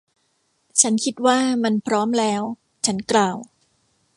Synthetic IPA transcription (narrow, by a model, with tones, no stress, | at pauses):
t͡ɕʰa˦˥nkʰi˦˥t̪̚waː˥˩ma˧npʰɾɔː˦˥mlɛː˦˥w | t͡ɕʰa˦˥nklaː˨˩w